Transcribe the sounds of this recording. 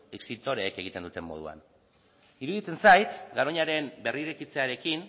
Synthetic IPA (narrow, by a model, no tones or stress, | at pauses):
eksit̪o̞ɾe̞ːke̞ɣ̞it̪e̞nd̪ut̪e̞mːo̞ðṵa̰n | iɾuðit͡se̞nsajt̪ɡaɾoɲaɾe̞mbe̞riɾekit͡se̞aɾe̞kin